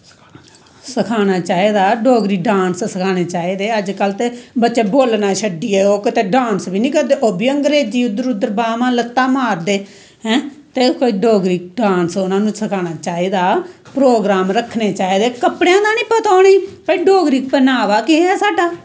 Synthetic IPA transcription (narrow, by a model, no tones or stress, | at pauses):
səkʰaːnaːt͡ʃaːiːd̪aːɖoːɡɾiːɖãːnssəkʰaːneːt͡ʃaːiːd̪eːəd͡ʒkəlt̪eːbətːʃeːboːlnaːʃəɖiːɛːoːkət̪eːɖãːnsbiːnĩːkəɾd̪eːʔoːbiːəŋɡɾeːd͡ʒiːʊd̪əɾʊd̪əɾbaːmãːlət̪ːaːmaːɾd̪eː | ɦɛ̃ːt̪eːkoːiːɖoːɡɾiːk̚ɖãːnsʊnãːnũːsəkʰaːñaːt͡ʃaːiːd̪aː | pɾoːɡɾaːmɾəkʰːneːt͡ʃaːiːd̪eːkəpɽejãːd̪aːnĩːpət̪aːniːpəiːɖoːɡɾiːk̚pənaːʋaːkɪɛːsaːɖaː